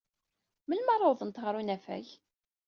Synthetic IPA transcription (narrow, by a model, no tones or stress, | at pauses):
məlmɑrˤːoðˤənt̪ʁɾˤunæfæ̰ç